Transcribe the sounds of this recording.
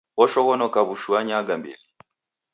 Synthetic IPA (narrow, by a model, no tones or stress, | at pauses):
ɔʃɔɣɔnɔkaβuʃuaɲaɡambḭli